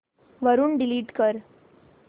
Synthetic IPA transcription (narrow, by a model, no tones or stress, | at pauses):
ʋəɾuːɳɖiliːʈkəɾ